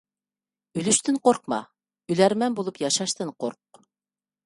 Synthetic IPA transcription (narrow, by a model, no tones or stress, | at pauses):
y̆lyʃt̪ɘɴqoɾq̚mɑ̰ | ylæɾmæmbulˠɤpjɑʃɑʃt̪ɤɴqoɾq̚